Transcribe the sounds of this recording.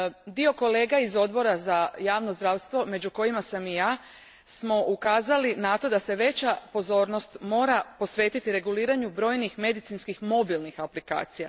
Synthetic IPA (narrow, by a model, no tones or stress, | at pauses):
d̪io̞ko̞le̞ːɡaizo̞d̪bo̞ɾazajaːʋno̞zd̪ɾaːʋst̪ʋo̞me̞d͡ʑuko̞jimasamijaː | smo̞ʔukaːzalinat̪o̞d̪ase̞ʋe̞t͡ɕapo̞zo̞ːɾno̞st̪mo̞ːɾapo̞sʋe̞ːt̪it̪iɾe̞ɡuliːɾaɲubɾo̞ːjnixme̞d̪it̪sinskixmo̞bilnixaplika̰ːt̪sija̰